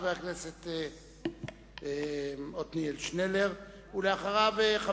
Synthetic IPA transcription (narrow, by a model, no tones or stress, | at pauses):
veakneset̪e | eot̪nielʃneleʁ | uleaχaʁaveχa